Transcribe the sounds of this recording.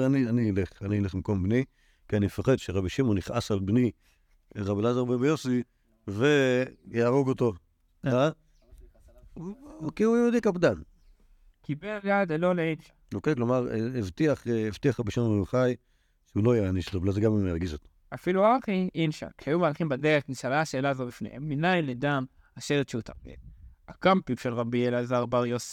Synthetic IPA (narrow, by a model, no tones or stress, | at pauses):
anianileχanileχmiko̞mbni | kianimefaχed̪ʃeʁabiʃimoniχʔasalbni | ʁabilazaʁbebejosi | vejaːʁoɡot̪o | a | okiujod̪iakabd̪an | kibejad̪eloleinʃḁokeklomaʁevt̪iaχevt̪iaχabiʃanmeuχaj | ʃeulojeaniʃt̪ovlazeɡamajumjaʁɡizot̪o̥ | afiluʁakʔinʃa̰kʃajumaːlχimbadeʁetniʃalaʃeːlazobifnḛhemːinajledam | aʃeletʃeut̪a̰mḛakampiɡʃelʁabielazaʁbaʁjos